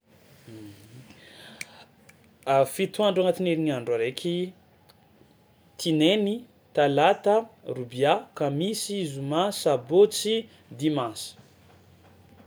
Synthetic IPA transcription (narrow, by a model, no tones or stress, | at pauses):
afit̪uaɳɖ͡ʐaŋat̪ineɾiŋaɳɖ͡ʐaɾekʲʰi | t̪ʰineni | t̪alat̪ərubjakamisiizumasabot͡si | d̪imãsə̥